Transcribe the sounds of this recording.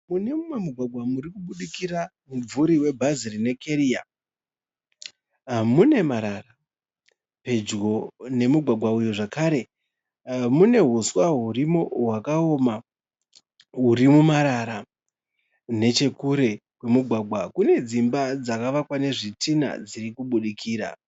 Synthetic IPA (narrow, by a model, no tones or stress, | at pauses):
mune̞mumemuɡʱwaɡʱwamuɾikuɓuɗikira | mub͡vuɾiwe̞bʱazirine̞keɾia | mune̞maɾara | pe̞d͡ʒɡo̞ne̞muɡʱwaɡʱwaujoʐakaɾe̞ | mune̞ɦuswaɦurimoɦwakaoːma | ɦuɾimumaɾaɾa | ne̞t͡ʃe̞kuɾe̞ɦwe̞muɡʱwaɡʱwakune̞d͡zimbad͡zakaʋakwane̞ʐitʰina̰d͡ziɾikuɓuɗikʰiːɾa̰